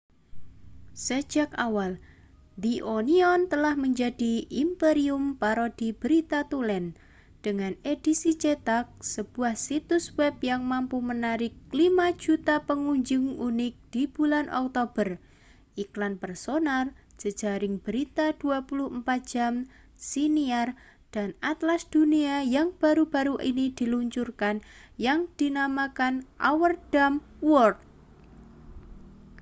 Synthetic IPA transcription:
sə̥d͡ʒ̥akawal | d̪iʔoniɔnt̪əlahməɲd͡ʒad̥iimpeɾiumpaɾɔd̪̥ib̥əɾit̪at̪ulɛn | d̥əŋaned̥isit͡ʃet̪ak̚səb̥uahsit̪ʊswɛbjaŋmampumənaɾɪkːlimḁd͡ʒ̥ut̪apəŋuɲd͡ʒʊŋunɪk̚d̪̥ib̥ulanʔɔ̰k̚t̪ob̥ər | ʔiklanpərsonar | d͡ʒ̥əd̥d͡ʒ̥aɾɪŋb̥əɾit̪ad̪̥uapulʊhəmpat̪̚dʒ̥am | siniar | d̥anat̪lasd̪̥uniajaŋb̥a̤ɾub̥aɾuʔḭnid̪̥i̤luɲt͡ʃurkanjaŋd̪̥inamakanʔawərd̥am | wɔrt̪̚

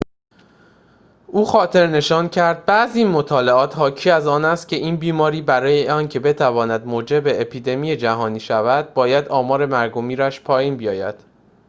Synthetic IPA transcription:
ʔuːxɒːt̪ʰe̞ɾne̞ʃɒːncʰæɾd̪̚bæziinmot̪ʰɒːle̞ɒːt̪hɒːcʰiːæzɒːnæst̪̚cʰe̞ʔiːnbiːmɒːɾiːbæɾɒːjeɒːncʰe̞be̞t̪ʰævɒːnæd̪moːd͡ʒe̞beːpʰiːd̪e̞mije̞d͡ʒæɦɒːniːʃævæd̪̥̚bɒːjæd̪ɒːmɒːɾe̞mæɾɡo̞miːɾæʃpʰɒːjiːnbijɒːjæ̰d̪̥

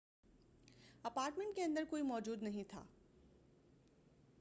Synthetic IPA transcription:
ɐpaːɾʈmẽɳʈ̚keɐ̃nd̪əɾkoːimɔːd͡ʑuːd̪nɐɦĩt̪ʰa̰ː

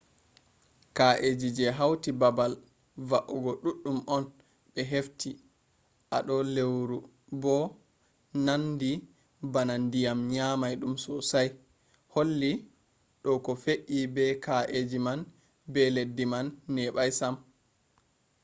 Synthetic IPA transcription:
kaʔed͡ʒid͡ʒɛɦawtibabal | vaʔɔɡɔɗuɗːumʔɔn | ɓɛɦefti | ʔaɗɔlewɾu | bɔ | nandi | banandijamɲamajɗumsɔsaj | holːi | ɗɔkɔfeʔibɛkaʔed͡ʒiman | bɛledːimanːɛɓajsam

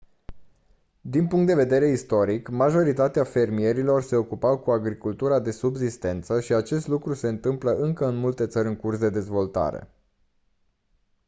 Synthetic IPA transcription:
d̪inpuŋkt̪d̪eve̞d̪e̞ɾe̞ist̪o̞ɾikmaʒo̞ɾit̪at̪eafe̞rmie̞ɾilo̞rse̞o̞kupawkuaɡɾikult̪uɾad̪e̞subzist̪e̞nt̪səʃiat͡ʃe̞st̪lukɾuse̞ɨnt̪ɨmpləʔɨŋkəɨnmult̪e̞t̪səɾʲɨŋkursd̪e̞d̪e̞zvo̞lt̪a̰ɾḛ

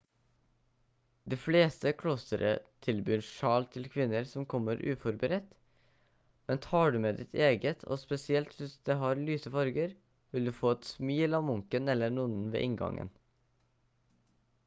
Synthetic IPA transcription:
d̪iːfleːst̪əkʰɽɔsəɾə̰t̪ʰɪlbyːɾʃɑːlt̪ʰɪlkʰʋɪnːəɾsɔmkʰɔməɾʔʉːfɔɾbəɾɛt̪ | mɛnt̪ʰɑːɖʉːmeːd̪ɪt̪ʰeːɡət̪ʰo̰ːspɛsɪɛlt̪ʋɪsd̪eːhɑɾlyːsəfɑɾɡəɾ | ʋɪld̪ʉːfoːɛt̪smiːlɑːmʊŋkənɛlːəɳuːnn̩ʋḛːʔɪŋɡɑ̰ŋə̰n

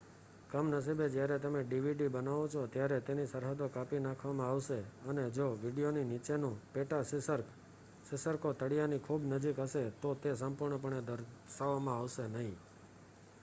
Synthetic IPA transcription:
kəmnəs̬ibed͡ʒjaɾɛt̪əmeɖiʋiɖibənaʋõt͡ʃʰot̪jaɾet̪enisəɾɦəd̪okapinãkʰʋamãaʋʃeəned͡ʒoʋiɖijoninit͡ʃenũpeʈasəɾ | sɪsəɾkot̪əɽijanikʰubnəd͡ʒikɦəʃet̪ot̪es̬əmpuɾɳəp̬əɾɳed̪əɾʃaʋamãaʋʃenəɦĩ

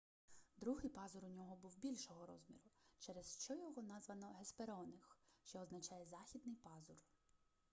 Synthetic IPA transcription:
d̪ɾuɦɪjpɑzʊɾʊnʲɔɦɔbuwbʲilʲʃɔɦɔɾɔzmʲḭɾʊt͡ʃɛɾɛsʃt͡ʃɔjɔɦɔnɑzʋɐnɔɦespeɾɔnɪxʃt͡ʃɔɔznɐt͡ʃɑjɛzɑxʲid̪nɪjpɑzʊr

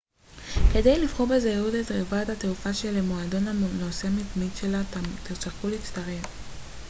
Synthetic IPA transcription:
ke̞dejlivχobezeudetʁevathateufaʃelemoado̞nanoseamitmitʃe̞lat̪iʁt͡sakulit͡st̪aʁev

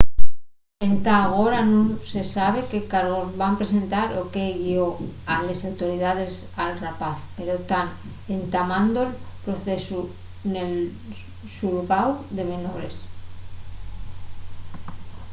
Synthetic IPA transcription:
e̞nt̪aɣ̞o̞ɾanõnse̞saβ̞e̞ke̞kaɾɣ̞o̞zβampɾe̞se̞nt̪aɾoke̞ɣio̞alesawt̪o̞ɾiðað̞e̞s | alrapaθpe̞ɾot̪an | ent̪amãnd̪oelpɾo̞θe̞su | ne̞l | suɾɣawðe̞me̞no̞ɾe̞s

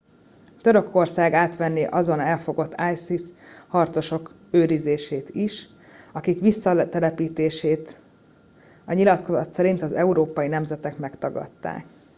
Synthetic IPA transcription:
t̪ø̞ɾø̞kʰo̞rsaːɡaːt̪ʋɛnːeːʔɒzo̞nɛlfo̞ɡo̞t̪ʰːaːjsishɒrt̪so̞ʃo̞k | øːɾizeːʃeːt̪iʃ | ɒkikʋisːɒt̪ɛɾɛpiːt̪eːʃeːt̪ | ɒɲilɒt̪ko̞zɒt̪sɛɾint̪ɒzɛuɾoːpɒjinɛmzɛt̪ɛkmɛkt̪ɒɡɒ̰t̪ːa̰ːk

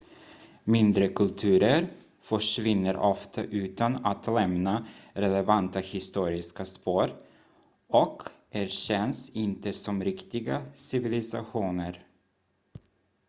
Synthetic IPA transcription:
mɪnd̪ɾəkʰɵlt̪ʰʉ̟ːɾəɾ | fœʂvɪnːəɾʔɔft̪ʰa̰ʔʉ̟ːt̪anat̪lɛmnaɾɛlɛvant̪ahɪst̪uːɾɪskaspoːɾ | ɔkʰʔæɾɕɛnsɪnt̪əsɔmɾɪkt̪ɪɡasɪvɪlɪsa̰ɧuːnəɾ

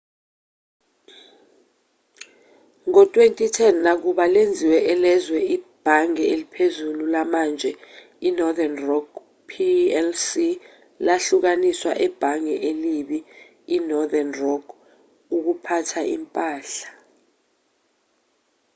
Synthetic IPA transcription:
ŋɔtʼwentʼitʰɛnːak̬uɓalend͡zʱiwɛʔɛlɛzwɛib̥ʱaŋɛelipʰezululamand͡ʒʱɛ | inɔðanrɔɡ | pʰiɛlsi | laɬuk̬aniswa̰ʔɛb̥ʱaŋɛʔeliɓiː | nɔðanrɔɡ | uk̬upʰatʰaʔimpʼaːɬḁ

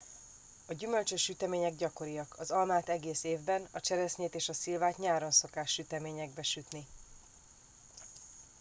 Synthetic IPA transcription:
ɒɟymølt͡ʃøʃːyt̪ɛmeːɲɛɡɟɒko̞ɾijɒkʰɒzɒlmaːt̪ɛɡeːseːvbɛnɒt͡ʃɛɾɛsɲeːt̪eːʃɒsilvaːt̪ɲaːɾo̞nso̞kaːʃːyt̪ɛmeːɲɛɡbɛʃyt̪ni

